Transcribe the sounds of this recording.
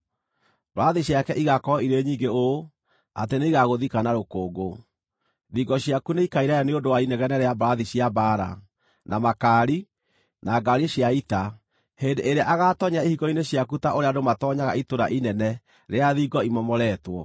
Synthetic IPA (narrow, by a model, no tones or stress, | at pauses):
bɾaðiɕjakɛʔiɣakɔiɾeɲiːŋɡeo | ateneiɣaɣoðikanaɾokoːɡo | ðiɡɔɕjakuneikaiɾajaneondowainɛɣɛnɛɾeabaɾaðiɕjabaɾa̰ | nʔamakaːɾi | naɡaɾeɕjaita | hendeeɾaʔaɣaːtɔɲaihiɣɔineɕjakutaʔoɾeadomatɔɲaɣa̰itoɾa̰ʔinɛnɛ | ɾeaðiɡɔimɔmɔɾɛtwɔ